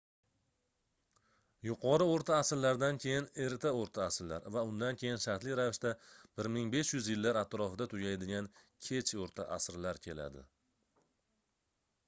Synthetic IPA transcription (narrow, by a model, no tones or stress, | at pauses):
jʊqʰɒɾɪoɾt̪ʰaːsɾlaɾd̪ankʲʰe̞jɪne̞ɾt̪ʰaoɾt̪ʰaːsɾla̰ɾvaʊnd̪ankʲʰe̞jɪnʃaɾt̪lɪɾavɪʃt̪ab̥ɪɾmɪŋbe̞ʃjʊzjɪlːaɾat̪ɾɒfɪd̪at̪ʰʊɡʲajd̪ɪɡʲankʲʰe̞t͡ʃʰoɾt̪ʰaʔasɾlaɾkʲʰe̞la̰d̪ɪ̰